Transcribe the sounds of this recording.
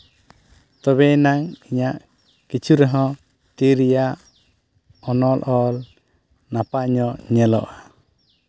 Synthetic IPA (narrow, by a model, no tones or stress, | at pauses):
t̪ɔβɛnaŋiɲaʔ | kit͡ʃʰuɾɛɦɔ̃ | t̪iɾija | ɔnɔlʔɔl | napaɲɔɲɛlɔ̰ʔa